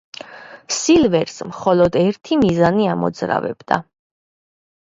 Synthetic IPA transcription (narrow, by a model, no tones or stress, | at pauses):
silvɛɾsmχɔlɔd̪ɛɾt̪ʰimizaniamɔ̰d̪zɾa̰vɛ̰bd̪a̰